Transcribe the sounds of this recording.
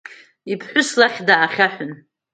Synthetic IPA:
ipʰħʷʊslaχʲdaːχʲaħʷᶣʊn

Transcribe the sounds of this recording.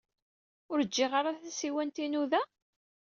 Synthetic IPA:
ʊɾəd͡ʒːɪʁaɾaθæsiwænt̪inuðæ

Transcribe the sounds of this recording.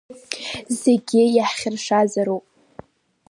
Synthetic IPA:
zeɡʲɪjaħχʲɪrʂazaɾopʼ

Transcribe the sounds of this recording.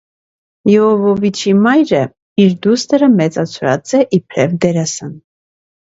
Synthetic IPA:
jɛɔvɔvit͡ʃʰimɑjɾə | iɾd̪ust̪əɾəmɛt͡sʼɑt͡sʰuɾɑ̰t͡sʼɛʔipʰɾɛvd̪ɛɾɛsən

